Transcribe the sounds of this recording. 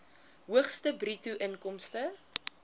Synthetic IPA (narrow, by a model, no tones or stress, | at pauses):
ɦuəχstəbrituʔənkɔmstə